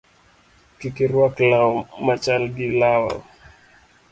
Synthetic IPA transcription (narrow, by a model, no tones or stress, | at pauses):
kikiɾwaklawmat͡ʃalɡilawa̰